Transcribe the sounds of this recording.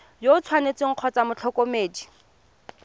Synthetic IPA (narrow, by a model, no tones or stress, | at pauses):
jot͡sʰwanet͡sɪŋ̩q͡χʰɔt͡samʊt͡ɬʰɔkomeːdi